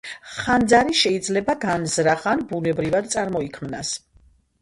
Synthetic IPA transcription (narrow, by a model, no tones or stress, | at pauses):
χand̪zaɾiʃɛid̪zlɛbaɡanzɾaχanbunɛbɾivad̪t̪sʼaɾmɔikʰmnas